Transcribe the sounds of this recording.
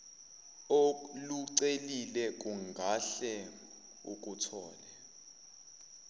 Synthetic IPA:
oluǀelilɛk̬ʼuŋɡʱaɬɛ | uk̬ʼutʰɔːlɛ

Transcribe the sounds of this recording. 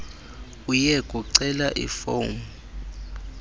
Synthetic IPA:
ujɛkʼuǀɛlaʔḭfowmu

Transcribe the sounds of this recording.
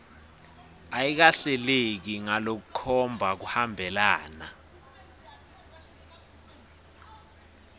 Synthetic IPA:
ajik̬aɬɛlek̬iŋalok̬uǃʰɔmbʱak̬uhambʱɛlaːna

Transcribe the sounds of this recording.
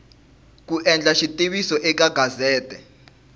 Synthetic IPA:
k̬uʔɛnd͡ɮʱaʃitʼiɓisɔʔɛk̬aɡʱazɛːtʼɛ

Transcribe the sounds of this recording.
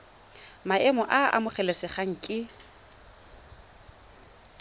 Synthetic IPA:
maɛmɔʔaa̰mʊχɛlesɪχaŋ̩kʼɪ

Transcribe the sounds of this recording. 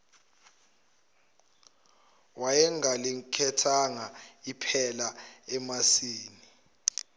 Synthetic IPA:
wajɛŋalikʰɛtʰaŋaipʰɛlaɛmasiːni

